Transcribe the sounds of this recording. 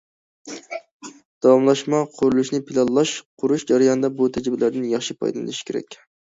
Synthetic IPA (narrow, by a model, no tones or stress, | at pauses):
d̪̥ɑwɑmlˠɑʃmɑqʰʊɾulˠuʃnɪpʰɪlˠɑlˠlːˠɑʃqʰʊɾuʃd͡ʒɑɾajɑnɨd̪ɑbut̪ʰæd͡ʒɪbɪlæɾd̪ɪnjɑχʃipʰɑ̰jd̪ɑ̰lɨ̰lɪʃi̥kʲeɾɛ̰kʲ